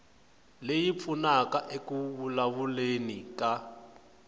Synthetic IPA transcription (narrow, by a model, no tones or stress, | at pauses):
lejip̪funakaʔekuβulaβulenika